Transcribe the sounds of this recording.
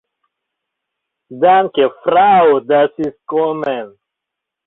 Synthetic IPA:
dankefɾad̪asiskomɛn

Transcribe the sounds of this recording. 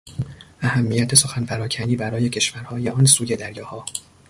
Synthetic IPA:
ʔæhæmːijæt̪ʰe̞so̞xænfæɾɒːcʰæniːbæɾɒːje̞cʰe̞ʃvæɾhɒːjeɒːnsuːje̞d̪æɾjɒːhɒː

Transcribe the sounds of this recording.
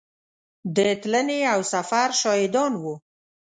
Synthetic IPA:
d̪ət̪ləneawsafaɾʃɑjɪd̪ɑnwu

